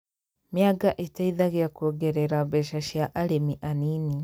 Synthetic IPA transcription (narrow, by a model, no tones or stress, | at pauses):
mjaɡaʔetaiðaɣeakuɔɡɛɾɛɾaβɛʃaʃjaʔaɾemiʔaniːni